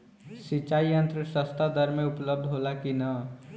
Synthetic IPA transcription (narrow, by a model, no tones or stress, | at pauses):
sit͡ʃːaiənt̪ɾəsəst̪ad̪ʱəɾmẽupləb̚d̪ʱɦolakinʌ